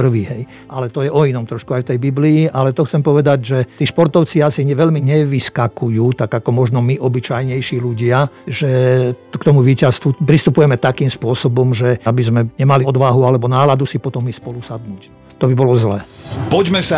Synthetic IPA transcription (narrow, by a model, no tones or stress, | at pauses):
pr̩ʋiːɦɛj | alɛt̪ɔjɛʔɔinɔmt̪ɾɔʃkuajft̪ɛjbibliːʔalɛt̪ɔxt͡sɛmpɔʋɛd̪aɟʒɛt̪iːʃpɔɾt̪ɔʊt͡siasiɲɛʋɛʎmiɲɛʋiskakujuːt̪aɡakɔmɔʒnɔmiʔɔbit͡ʃajɲɛjʃiːluɟɪaʒɛkt̪ɔmuʋiːcast̪ʋupɾist̪upujɛmɛt̪akiːmspʊɔsɔbɔmʒɛabizmɛɲɛmaliɔd̪ʋaɦualɛbɔnaːlad̪usipɔt̪ɔmispɔlusad̪nuːc | t̪ɔbibɔlɔzlɛːpɔɟmɛsa